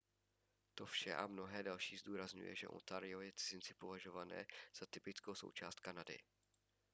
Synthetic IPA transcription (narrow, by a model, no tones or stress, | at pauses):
t̪o̞fʃɛ̰ʔa̰mno̞ɦɛːdalʃiːzduːɾazɲṵjɛ̰ʒɛ̰ʔo̰nt̪aɾɪo̞jɛt͡sɪzɪnt͡sɪpo̞vaʒo̞vanɛ̰ːz̥at̪ɪpɪt͡skowso̞̰wt͡ʃa̰ːst̪̚kanadɪ̰